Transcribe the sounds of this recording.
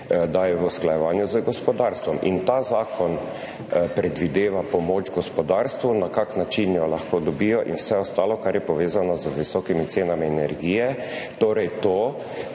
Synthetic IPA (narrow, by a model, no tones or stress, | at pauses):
d̪ajɛʋusklajɛʋaːnjuzəɡɔspɔd̪aɾst̪ʋɔmḭnt̪aːzaːkʰɔn | pɾɛd̪ʋid̪eːʋapɔmoːt͡ʃɡɔspɔd̪aɾst̪ʋunakaknat͡ʃinjɔlaxkoːd̪ɔbiːjɔʔḭnwsɛɔst̪aːlɔkaɾjɛpɔʋeːzanɔzəʋisɔkimit̪seːnamiɛnɛɾɡiːjɛ | t̪oːɾɛjt̪oː